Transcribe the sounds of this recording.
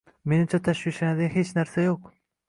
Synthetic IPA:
me̞nɪmt͡ʃʰat̪ʰaʃwiʃlanad̪ɪɡʲahe̞t͡ʃnaɾsajoq

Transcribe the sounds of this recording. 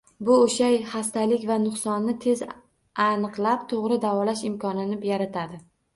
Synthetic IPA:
bʊoʃajhast̪ʰalɪkʲvanʊχsɒnːɪt̪ʰe̞z | anɨqlˠapt̪ʰoʁɾɪd̪avɒlaʃɪmkʰɒnɪnɪpjaɾat̪ʰad̪ɪ

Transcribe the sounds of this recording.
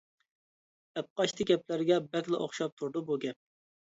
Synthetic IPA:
ɛp̚qɑʃt̪ʰɪɡʲɛplæɾɡʲɛbɛkʲlˠɨʔo̰χʃɑp̚t̪ʰuɾd̪ubuɡʲɛp̚

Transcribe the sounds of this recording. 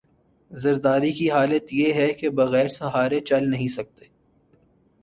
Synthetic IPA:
zɐɾd̪aːɾikiɦaːlət̪jeɦɛkebɐɣɛːɾsɐɦaːɾet͡ʃɐlnɐɦĩsɐk̚t̪eː

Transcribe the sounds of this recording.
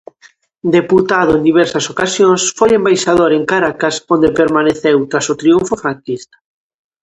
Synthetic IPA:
d̪eput̪aðʊend̪iβɛɾsɐsokasjonsfojembajʃaðoɾeŋkaɾakasond̪epeɾmaneθewt̪ɾasot̪ɾiuɱfʊfɾaŋkist̪ḁ

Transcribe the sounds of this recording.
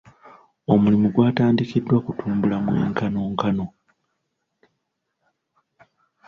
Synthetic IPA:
o̞mulimuɡwaːtaːndikidːwakutʰuːmbulamwe̞̰ːŋkano̞ːŋkano̞

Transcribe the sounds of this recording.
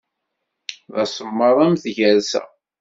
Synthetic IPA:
ðɑsˤəmːəðˤæmθʝæɾsæ̰

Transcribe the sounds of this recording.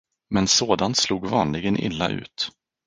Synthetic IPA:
mɛnsoːd̪ant̪sluːɡvɑːnlɪɡənʔɪ̰lːa̰ʔʉ̟̰ːt̪

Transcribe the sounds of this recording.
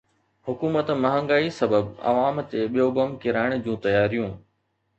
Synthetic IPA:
hʊkuːmət̪mɐɦə̃ŋɡaːisɐbəbɐ̰ʋaːmt̪eɓijobɐmkɪɾaːɪɽ̃d͡ʑũːt̪ɐjaːɾijũː

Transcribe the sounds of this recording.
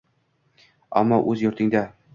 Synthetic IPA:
a̰mːɒʔɵzjɵ̆ɾt̪ʰɪŋd̪a

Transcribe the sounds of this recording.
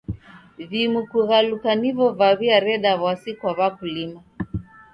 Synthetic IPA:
vimukuɣalukanivɔvaβiaɾɛɗaβasikwaβakulima

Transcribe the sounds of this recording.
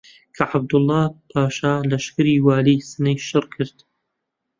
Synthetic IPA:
kʰɐʕab̚d̪ʊlˠːɑːpʰaːʃaːlɐʃkɨɾiːwaːliːsɨnɐjʃɨrkʰɨɾt̪

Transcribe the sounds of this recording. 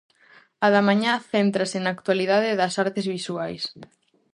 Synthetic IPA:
aðamãɲaθent̪ɾɐsɪnaːk̚t̪waliðaðɪðɐsaɾt̪ɪzβisuajs

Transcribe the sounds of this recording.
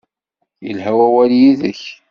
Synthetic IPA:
jə̰lɦæwæwæljiðəç

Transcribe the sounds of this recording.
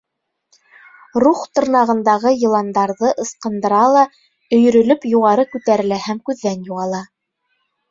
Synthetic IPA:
ruχt̪ɤ̆ɾnɑʁɤ̆nd̪ɑʁɤjɤ̆lˠɑnd̪ɑɾðɤʔɤ̆sqɤ̆nd̪ɤ̆ɾɑlˠɑ | ɵ̆jɵ̆ɾɵ̆lɵpjuʁɑɾɤkʉt̪æɾɘ̆læhæmkʉðːænjuʁɑlˠɑ

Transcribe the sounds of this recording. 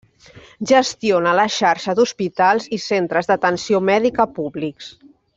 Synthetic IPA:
ʒəst̪ionələʃaɾʃəðuspit̪alˠzisent̪ɾəzðət̪ənsiomɛðikəpuβliks

